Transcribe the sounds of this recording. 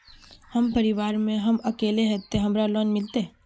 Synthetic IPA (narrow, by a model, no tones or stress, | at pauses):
hɐmpɐɾɪʋaːɾmẽɦɐmɐkeːleɦɛt̪ːeɦɐmɾalɔːnmɪlt̪eɦ